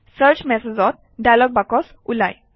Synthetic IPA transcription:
səɾt͡ɕmɛsed͡zɔt̪̚ | ɖajlɔɡ̚bakɔs | ula̰j

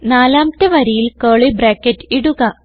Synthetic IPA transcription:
naːlaːmt̪ːɐʋɐɾejilkeːɭibraːkːetːiɽuɣɐ

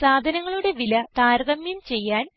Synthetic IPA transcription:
saːd̪ʱɐnɐŋːɐɭuɽe̞ʋilɐt̪aːɾɐðɐmjumt͡ɕe̞jːaːn

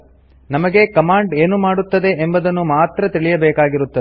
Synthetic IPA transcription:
nɐmɐɡe̞kɐmaːɳɖeːnumaːɽut̪ːɐd̪e̞ʔembɐd̪ɐnːumaːt̪ɾɐt̪iɭijɐbɛːkaːɡiɾut̪ːɐe

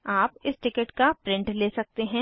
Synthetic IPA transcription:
aːpɪsʈɪkəʈkapɾɪ̃ɳʈleːsɐk̚t̪eɦɛ̃ː

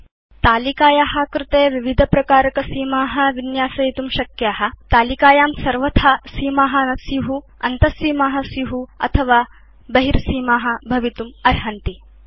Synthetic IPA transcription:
t̪aːlikaːjaːɦɐkɾɪt̪eːʋiʋid̪ʱɐpɾɐkaːɾɐkɐsiːmaːɦɐ̆ʋinjaːsɐjit̪umʃɐkjaːɦɐ̆t̪aːlikaːjaːmsɐɾʋɐt̪ʰɐsiːmaːɦɐ̆nɐsjuɦu | ɐnt̪ɐsiːmaːɦɐsjuɦuɐ̰t̪ʰɐʋaː | bɐɦiɾsiːmaːɦɐ̆bʱɐʋit̪umɐɾɦɐnt̪i

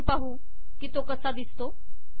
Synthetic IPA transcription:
paɦu | kit̪okəsad̪ɪst̪o

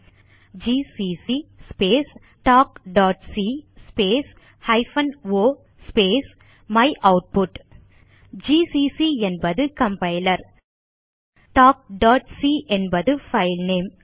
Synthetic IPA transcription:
d͡ʒiːsiːsispeːs | ʈaːk̚ɖaːʈsispeːs | hɐɪfɐnʋoː | speːs | mɐɪʔɐʊʈ̚pʊʈ | d͡ʒiːsisiɛnbɐðɯkɐmpɐɪlɐɾ | ʈaːk̚ɖaːʈsiʔɛnbɐðɯfɐɪlneːm

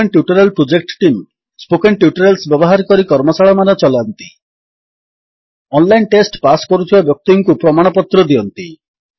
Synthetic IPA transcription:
enʈjuʈɔɾelpɾod͡ʒek̚ʈʈim | spokeɳʈjuʈɔɾelsbjɔbɔɦaɾɔkɔɾikɔɾmɔsaɭɔmanɔt͡ʃɔlant̪i | ɔnlajnʈesʈpasɔ̥kɔɾut̪ʰibabjɔk̚t̪iŋkupɾɔmaɽ̃ɔpɔt̪ɾɔd̪iɔnt̪i

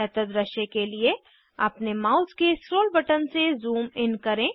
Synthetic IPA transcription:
ɛt̪əd̪ɾɐʃekelie | ɐ̰pnemaːʊzkesɾoːlbɐʈənsezuːmɪnkɐɾẽː

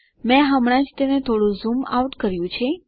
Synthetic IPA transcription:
mɛ̃ɦəmɽ̃ãd͡ʒt̪enet̪ʰoɽũzuma̰uʈkəɾjũt͡ʃʰe

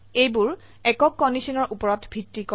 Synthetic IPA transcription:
ejbuɹ | ɛkɔkːɔndisɔnɔɹʔupɔɹɔtbʱitːikɔ

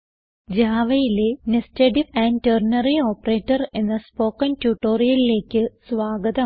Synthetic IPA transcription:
d͡ʑaːʋɐjilenesteɖiʋæːnternɐrioːpːɐre̞ːtːɐre̞nːɐspo̞ːkːɐntuʈːo̞ːrijɐlile̞ːkʲːɨsʋaːɡɐðɐ

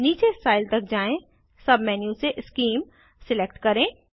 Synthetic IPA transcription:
niːt͡ʃesaːɪlt̪ɐk̚d͡ʒaːẽ | sɐbʱmɛːnjũseʔɪskiːm | sɪleːk̚ʈkɐɾẽː

